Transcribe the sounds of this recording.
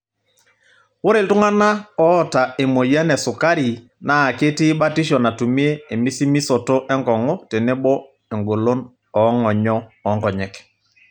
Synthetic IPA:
wo˦ɾe˨ltʊ˦ŋa˦na˦ɔ˦ɔ˦ta˨e˨mo˨ja˦nɛ˨sʊ˨ka˦ɾi˨ | na˨˦˨ke˦ti˦ba˦ti˦ʃ̬ɔ˨na˨tu˨mi˦e˦e˨mi˦si˦mi˦sɔ˨to˦ʔɛ˦ŋɡɔ˨ŋɔ˦te˨nɛ˦bɔ˦ | e˨ŋɡo˨lo˦n | ɔ˨˦ŋɔ˨ɲɔ˦ɔ˨˦ŋkɔ˨ɲɛ˨k

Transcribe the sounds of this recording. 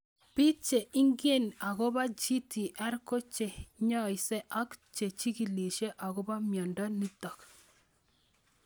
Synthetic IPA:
pi˦t͡ʃe˨ʔi˦ŋɡe˦˨na˨ɡɔ˦ba˦d͡ʒi˦ti˨ʔɛ˦ɾko˦t͡ʃe˨ɲɔ˦jsɛ˦ʔa˦kt͡ʃe˨t͡ʃi˦ki˨li˨ʃe˦ʔa˨ɣɔ˦ba˦mjɔ˨ndɔ˦ni˦tɔ˨k

